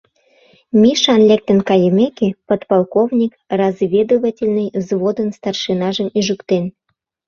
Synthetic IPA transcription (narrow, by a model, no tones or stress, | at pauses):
mʲiʃɑnlʲek̚t̪ənkɑjəmʲekepot̪pɑlˠkovnʲikrɑzvʲed̪ovatʲelʲnɨjzβod̪ənst̪ɑrʃɨnɑʒəmiʒukt̪en